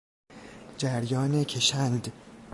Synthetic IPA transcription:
d͡ʒæɾjɒːnecʰeʃænd̪

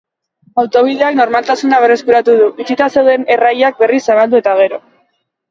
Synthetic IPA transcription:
awt̪o̞β̞iðe̞akno̞ɾmalt̪asunaβere̞skuɾat̪uð̞uβisit̪ase̞wðe̞ne̞rajak̚be̞risːaβald̪ue̞t̪aɣ̞e̞ɾo̞

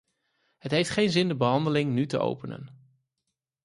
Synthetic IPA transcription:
ɦətɦejftχejnzɪndəbəɦɑndəlɪŋnytəʔo̰wpənə̰n

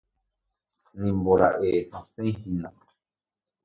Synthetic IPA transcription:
nĩmboɾa̰ʔehãsẽj̃hĩnã

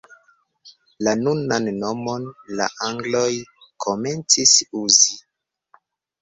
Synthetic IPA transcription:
lanunanːo̞mo̞nla̰ʔaŋɡlo̞jkʰo̞me̞nt͡sisuzi

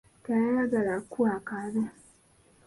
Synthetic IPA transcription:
kajalaɡalakuakaβe

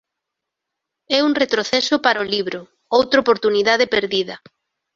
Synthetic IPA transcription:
ɛuŋret̪ɾoθɛsʊpaɾaoliβɾʊ | owt̪ɾaopoɾt̪uniðað̞epeɾðiðɐ

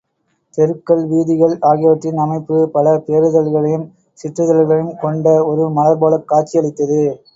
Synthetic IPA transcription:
t̪ɛɾɯkːɐɭʋiːðɪɣɐɭaːɣɪjʋɐʈrɪnɐmɐɪpːɯpɐlɐpeːɾɯðɐlɣɐɭɐjɯm | sɪʈɾɯðɐlɣɐɭɪjɯmkɔɳɖɐɔɾɯmɐlɐɾbaːlɐkːaːʈ̚t͡ʃːɪjɐɭɪt̪ːɐðɯ

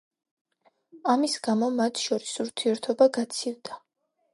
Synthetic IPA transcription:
amisɡamɔmat̪ʰʃɔɾisuɾt̪ʰiɛɾt̪ʰɔbaɡat̪sʰivd̪̥a

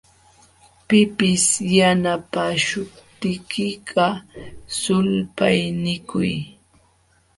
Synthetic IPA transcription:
pɪpɪsjanapaʃʊpt̪ɪkɪɢɑsʊlpajnɪkʊ̰j

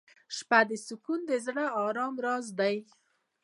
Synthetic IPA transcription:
ʃpad̪əsukund̪əzɽəɑɾɑmɾɑzd̪aj

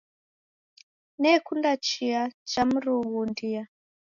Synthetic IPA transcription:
nekundat͡ʃiat͡ʃamuruɣundija

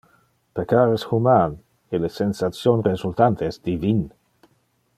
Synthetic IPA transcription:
pekaɾesxuman | elesensatt͡sjonrezult̪ant̪ʰeɛsd̪ivin

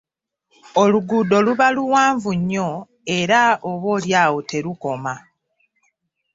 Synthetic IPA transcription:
oluɡudo̞luβaluwaːɱvuɲːo̞ | e̞ɾaoβo̞ːljaːwotʰe̞ɾuko̞ma

